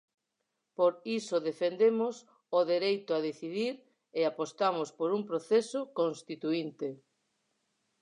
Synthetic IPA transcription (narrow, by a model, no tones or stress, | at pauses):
poɾisʊðefend̪emʊs | oðeɾejt̪ʊaðeθiðiɾ | eapost̪amʊspoɾuŋpɾoθesʊkonst̪it̪uint̪e